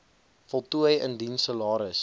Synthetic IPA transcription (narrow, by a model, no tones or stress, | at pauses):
fɔlˠtuəjə̰ndinsəlɑːɾəs